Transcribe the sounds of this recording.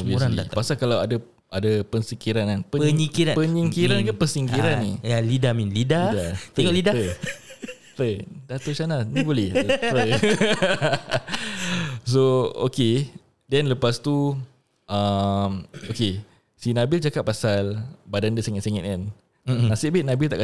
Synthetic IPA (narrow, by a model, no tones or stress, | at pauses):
obisaiapasalkalawadə | adapənsikiɾananpəəɲikiɾapəɲiŋkiɾɾankapəsiŋkiɾannijalidaminlidadat̪ɛŋɔʔlidaə | t̪ədat̪ot͡ʃananibolɛpə | soo̰ke | dɛnləpast̪u | ʔamoke | sinãbɪld͡ʒakaʔ̚pːasalbadandəsɛŋat̪̚sɛŋɛ̰t̪an | nasiʔbɪt̪̚nabɪlt̪aʔka